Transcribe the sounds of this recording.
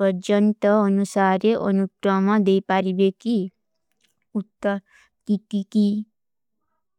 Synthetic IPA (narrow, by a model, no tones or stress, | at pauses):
əɾd͡ʒənt̪əːnusaːɾeʔə̰nukɾɔmãd̪eipaɾibeki | ut̪ː | kikiki